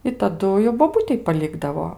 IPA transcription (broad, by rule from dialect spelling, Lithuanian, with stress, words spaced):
ɪ tɐˈdʊ jɛʊ boːˈbʊtʲɛɪ pɐˈlʲɪɡdɐʋoː